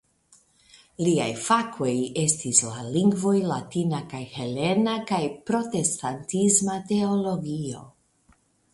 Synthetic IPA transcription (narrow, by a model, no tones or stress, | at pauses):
lia̰jfako̞je̞stisla̰liŋɡvo̞jlatinakajhe̞le̞nakajpɾo̞te̞stantizmate̞olo̞ɡio̞̰